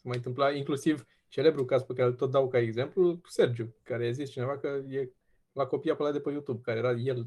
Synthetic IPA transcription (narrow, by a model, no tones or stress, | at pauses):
semajɨnt̪ɨmplaiŋklusiv | t͡ʃe̞le̞bɾukazpekaɾelt̪o̞t̪̚d̪awkaeɡze̞mpluse̞rd͡ʒukaɾejazist͡ʃine̞vakəje̞ | lako̞piapəlat̪̚d̪epəjut̪ub̚kaɾejeɾaje̞l